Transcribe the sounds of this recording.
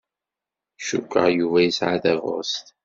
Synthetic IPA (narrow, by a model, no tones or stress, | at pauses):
ʃukʷːə̰ʁjuvæjisʕaðævo̰st̪